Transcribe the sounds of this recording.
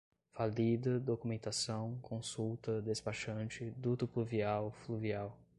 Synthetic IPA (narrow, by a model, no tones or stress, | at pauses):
falid̪ɐd̪okumẽnt̪asɐ̃w̃kʰõsuwt̪ɐd̪espaʃɐ̃nt͡ʃɪd̪ut̪ʊpluviawfluviaw